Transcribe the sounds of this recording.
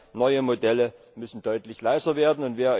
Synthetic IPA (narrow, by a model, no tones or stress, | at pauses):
nɔʏəmodɛlə | mʏsn̩dɔʏtlɪçlaɪzɐveːɐdn̩ʊntv̥eːɐ